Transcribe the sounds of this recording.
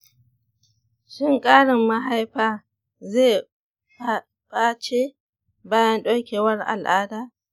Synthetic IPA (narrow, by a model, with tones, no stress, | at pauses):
ʃɪ˦˨ŋkʼaː˦ɽɪ˨mːa˦ɦa˦jɸaː˦˨ | zeː˦˨ | bʼaː˦t͡ʃe˦ | baː˦jɐ˦nɗo˦kʲeː˨wɐ˦rʔa̰˨lʔaː˦daː˨